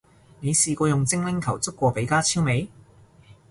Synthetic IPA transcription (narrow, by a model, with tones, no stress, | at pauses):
ne˨˧jsiː˧kʷɔː˧jʊ˨ŋt͡sɪ˥ŋlɪ˥ŋkʰɐ˨˩wt͡sʊ˥kːʷɔː˧pe˨˥jkaː˥t͡sʰiː˥wme˨˧j